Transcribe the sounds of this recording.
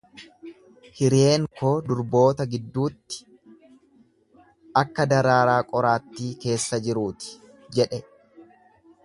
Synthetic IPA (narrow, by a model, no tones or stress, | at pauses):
hɪɾe̞ːŋko̞ːd̪ʊɾbo̞ːt̪ɐɡɪd̪ːuːt̪ːɪ̥ | ʔɐkːɐd̪ɐɾaːɾaːkʼɔɾaːt̪ːiːke̞ːsːɐd͡ʒɪɾuːt̪ɪ̥ | d͡ʒɛᶑɛ